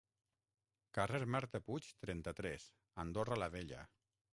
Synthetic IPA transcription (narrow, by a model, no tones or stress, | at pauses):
kareɾmaɾt̪əput͡ʃt̪ɾɛnt̪at̪ɾɛs | and̪oralaβeʎa̰